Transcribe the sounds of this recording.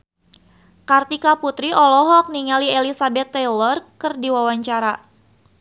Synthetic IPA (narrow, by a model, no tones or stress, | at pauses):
kart̪ikaput̪ɾiʔɔlɔɦɔk̚niŋalielisabɛt̪ːɛlɔrkərdiwawaɲt͡ʃaɾa